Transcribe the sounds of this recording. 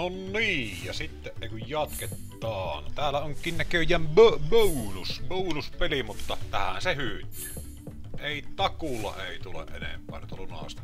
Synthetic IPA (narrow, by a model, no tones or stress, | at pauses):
onniːjjɑsit̪ːeʔʔeˑikujjɑt̪ket̪ːɑːnt̪æːlːæoŋkːˑiːnnækøjˑæmbøbøunusbounuspelimut̪ːɑt̪æhæ̰nsehyːt̪ːˑy̥ː | eˑit̪ɑkulːɑ̰ʔeˑit̪ulḛʔʔenḛmpˑæ̰ˑːnyt̪ælunɑ̰st̪ɑ̥